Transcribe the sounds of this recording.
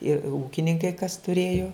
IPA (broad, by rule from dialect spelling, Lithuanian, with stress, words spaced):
ɪ ˈuːkʲɪnʲɪŋkɐɪ kɐs tʊˈrʲeːjoː